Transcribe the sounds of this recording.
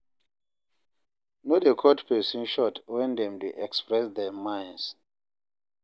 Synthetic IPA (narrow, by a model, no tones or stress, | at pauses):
nodekʰɔtpesĩnʃɔtwɛ̃ndɛ̃mdeʔɛkspɹɛsdɛmãjns